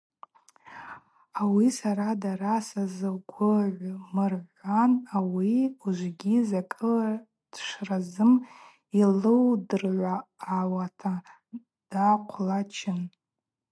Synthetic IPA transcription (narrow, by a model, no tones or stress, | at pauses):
awisaɾadaɾasazɨɡʷʊʕʷmɨrʕʷanawiuʒʷɡʲizakʼɨa | d̥ʂrazɨm | ilɨwdɨrʕʷaːwatʰa | d̥aqʷʰlat͡ʃʰɪn